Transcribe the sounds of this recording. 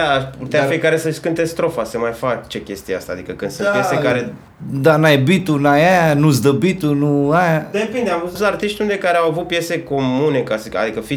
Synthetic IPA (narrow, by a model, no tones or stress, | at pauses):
aaʃput̪eafijekaɾe̞səʃkɨnt̪est̪ɾo̞fasəmajfakt͡ʃe̞kʲe̞st̪ijea̰st̪a̰ːd̪ḭkəkɨnd̪sunpjesekaɾe | d̪anajebit̪unajajanusd̪əbit̪unuajad̪epind̪eauust̪art̪iʃt̪ʲund̪e̞kaɾeawavut̪̚pje̞se̞ko̞mune̞kasia̰d̪ikəfi